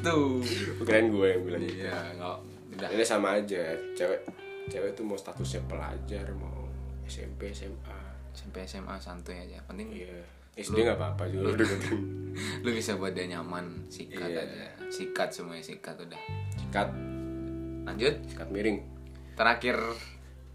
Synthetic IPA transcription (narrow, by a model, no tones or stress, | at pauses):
t̪upəkɾanɡuɛjaŋbilaŋijaŋa | udahinasamaːd͡ʒat͡ʃawɛʔ | t͡ʃawɛt̪umaust̪at̪ʊsɲapəla̰d͡ʒarma̰uɛsɛ̰mpeɛsɛma | ɛsɛmpeɛsɛmʔa̰sant̪uɲad͡ʒa̰pənt̪ɪŋija | ɛsldɛŋapaːpad͡ʒuɾodupət̪ɪŋlubisabuat̪̚daɲamansikaad͡ʒa̰sikat̪̚səmuaɲasikat̪udahsi̥kat̪̚ | laɲd͡ʒʊt̪̚si̥kat̪̚miɾɪŋ | t̪əɾakɪr